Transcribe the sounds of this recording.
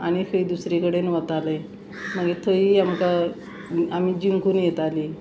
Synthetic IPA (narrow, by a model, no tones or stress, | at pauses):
a̰ɽ̃ikʰəid̪usɾekəɽenʋət̪aləj | m̤əɡet̪ʰoiːamka | amiːd͡ʑiŋkuːnjet̪aliː